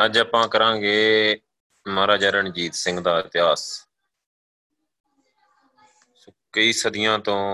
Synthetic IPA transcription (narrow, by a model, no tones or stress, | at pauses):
əd͡ʒəːpãːkəɾãːɡeː | maːɾaːd͡ʒəɾəɳd͡ʒiːt̪sɪ̃ŋɡd̪aːɪt̪ɪɦaːs | skəiːsəd̪ɪjãːt̪õː